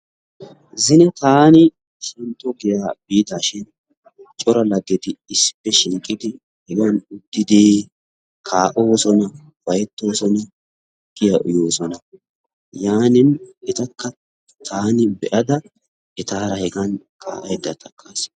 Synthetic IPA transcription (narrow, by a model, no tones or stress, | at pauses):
zɪnɛt̪aːnɪ | ʃɛnt̪ːɔɡɪjabiːd̪aːʃɪn | t͡ʃʼɔɾɐlɐɡːɪt̪ɪɪsɪ̥pːɛʃɪŋkʼɪd̪ɪ | hɛɡɐnʊd̪ːɪd̪i | kʰaːʔo̞ːsɔnɐ | b̥ɐjɛt̪ːo̞ːsɔnɐ | ɡ̥ɪjɐʔʊjoːsɔnɐ | jaːnɪnʔɛt̪ɐkːɐ | t̪ʰaːnɪbɛʔɐd̪ɐ | ʔɛt̪aːɾɐhɛɡɐn | kʰʼa̰ːʔɐjd̪ːɐt̪ɐkʰʼːaːs